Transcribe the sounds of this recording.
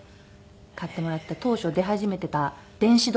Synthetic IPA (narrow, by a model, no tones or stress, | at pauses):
kat̪ːe̞mo̞ɾat̪ːat̪o̞ːɕo̞d̪e̞ɦaʑime̞t̪e̞t̪ad̪̥ẽ̞ɰ̃ɕid̪